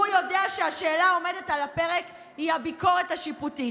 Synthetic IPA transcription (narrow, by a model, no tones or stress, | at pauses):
ujo̞deaʃehaʃeːlaome̞de̞talape̞ʁek | hihabiko̞ʁetaʃiputi